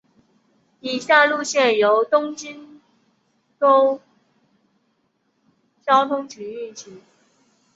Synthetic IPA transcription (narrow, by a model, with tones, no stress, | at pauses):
i˨˩ɕja˥˧lu˥˧ɕjɛ˥˩njo˧˥ʊt̪ʊ˥ŋt͡ɕi˥n | t̪o˥ʊ | t͡ɕjɑ˥ʊt̪ʰʊ˥ŋt͡ɕʰy˧˥y˥˩t͡ɕʰi˧˥˦